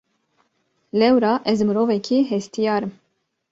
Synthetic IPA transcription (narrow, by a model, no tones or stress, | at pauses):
lɛwɾɑːʔɛzmɨɾoːvɛkʰiɦɛst̪ʰijɑːɾɨm